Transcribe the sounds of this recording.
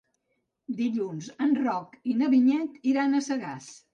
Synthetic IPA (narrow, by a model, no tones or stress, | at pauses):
d̪iʎunzənrɔkinəβiɲɛt̪iɾanəsəɣas